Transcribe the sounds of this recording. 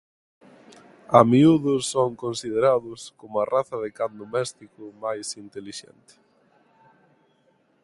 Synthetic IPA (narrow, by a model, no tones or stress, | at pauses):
amiuðʊsːoŋkonsið̞eɾaðʊskomʊaraθɐðɪkand̪omɛst̪ikʊmajsint̪eliʃɛ̰nt̪ɪ̥